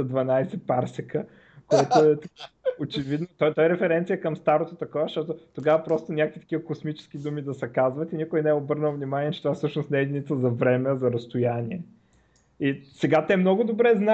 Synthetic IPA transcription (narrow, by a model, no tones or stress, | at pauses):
ɐd̪vɐnajsɛpaɾsɛkə | koɛt̪oɛt̪ɐkaot͡ʃɛvid̪not̪ɔt̪ɔɛɾɛfɛɾɛnt̪sijəkəmst̪aɾot̪ot̪ɐkɔvɐʃt̪ɔt̪ot̪oɡavɐpɾɔst̪onʲakkvit̪ɐ̥kʲivəkosmit͡ʃɛ̥sk̟id̪umid̪ɐsɛkazvɐt̪inikʊjnɛɛobɤɾnəlˠvnʲimanʲiɛt͡ʃɛ̥t̪ovafsɤʃnosnɛɛd̪init̪səzɐvɾɛmɛzɐɾɐst̪ʊjanʲiɛ | isɛɡat̪ɛmnɔɡʊd̪obɾɛzna